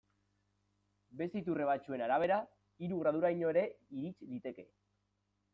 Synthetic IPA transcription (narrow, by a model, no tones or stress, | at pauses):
be̞sit̪ure̞β̞at͡ʃue̞naɾaβ̞e̞ɾa | iɾuɣ̞ɾað̞uɾajɲo̞eɾe̞iɾit͡ʃd̪it̪e̞ke̞